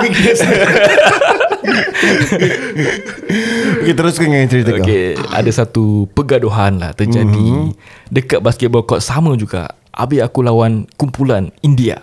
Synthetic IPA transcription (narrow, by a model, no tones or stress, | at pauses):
ks | oket̪əɾʊskanŋat͡ʃɾit̪əokakea̰dasat̪upəɡadoɦanla̰ht̪ərd͡ʒadidəkat̪̚baskebɔwakɔt̪̚samə̃d͡ʒuɡa̰ | ʔa̰bɪakulawankumpulanindia̰